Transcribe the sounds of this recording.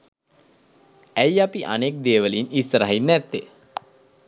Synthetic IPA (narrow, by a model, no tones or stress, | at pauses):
æjapiʔa̰nek̚d̪eːʋəlinist̪əɾaɦinːæt̪ːe